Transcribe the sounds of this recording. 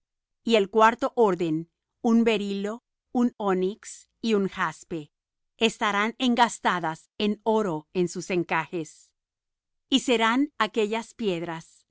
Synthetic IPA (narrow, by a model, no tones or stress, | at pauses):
ie̞lkwaɾt̪o̞ʔo̞ɾðe̞n | umbe̞ɾilo̞ | unoniks | iuŋxaspe̞ | est̪aɾane̞ŋɡast̪aðas | e̞no̞ɾo̞ensuse̞ŋkaxe̞s | ise̞ɾanake̞ʝaspje̞ðɾas